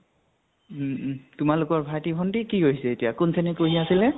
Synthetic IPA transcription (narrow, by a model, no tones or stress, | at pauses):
tʊmalʊkɔɹbʱaɹtibʰɔntikiɡoɦisɛetijakʊnsɛnɛkoɦiasilɛ